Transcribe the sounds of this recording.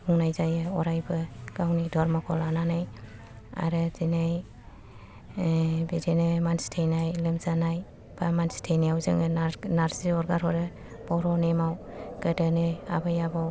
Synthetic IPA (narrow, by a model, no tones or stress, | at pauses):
uŋnajzajɯɔɾajbɯɡ̥awnidʱɔɾmɔkʰɔlananaj | a̰ɾɯzinaj | bidenɯmanstʰejnajlɯmzanaj | b̥amanstʰejnijawzɯ̰ŋɯanaɾsiɔɾɡaɾhɔɾɯ | bɔɾɔnemaw | ɡ̥ədɯnɯa̰bajabaw